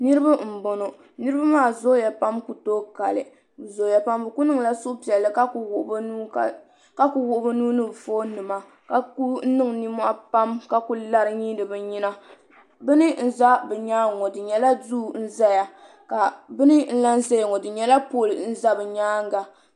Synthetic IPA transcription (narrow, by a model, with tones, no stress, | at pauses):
nɨ˦ɾɨ˦ba˦m̩˨bo˨no˨ | nɨ˦ɾɨ˦ba˦maː˦˨zo˦ja˨pa˦mku˨to˦ka˨lɨ˨ | zo˨ja˨pa˦mbɨ˨ku˦nɨ˦ŋ˨la˦sʊ˦ʔpi˨ɛ˨lːɨ˨ka˦kwʔbnuː˦˨ | ka˦ku˨wʊ˦˨ʔʊ˦bɨ˦nuː˦nɨ˦bfoː˦nɨ˨ma˨ | ka˨ku˦nɨ˦ŋni˦mwa˦pa˦mka˨ku˦la˦ɾɨ˦ɲi˦dɨ˨bɛ˨ɲi˦na˦ | bɨ˦nɨ˦n̩˦za˦bɛ˨ɲaː˦ŋɔ˨dɨ˨ɲɛ˨la˦du˦˨n̩˦za˦ja˨ | ka˨bɨ˦nɨ˦n̩˦la˦n˦zɛ˦jŋɔ˨dɨ˨ɲɛ˦la˦poː˦˨lɨ˨n̩˦za˦bɛ˨ɲaː˦ŋ˦ɡa˨